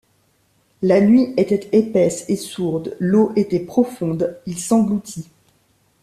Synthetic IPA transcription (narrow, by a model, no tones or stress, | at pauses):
lanɥiʔet̪ɛt̪epɛsesuʁd̪loʔet̪ɛpχɔfɔ̃d̪ilsɑ̃ɡlut̪ʰi